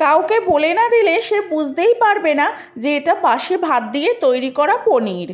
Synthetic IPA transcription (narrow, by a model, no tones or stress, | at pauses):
kawkebolenad̪ileʃebud͡ʑʱd̪ejpaɾbena | d͡ʑeeʈabaʃebʱad̪̚d̪ijet̪ojɾikɔɾaponiɾ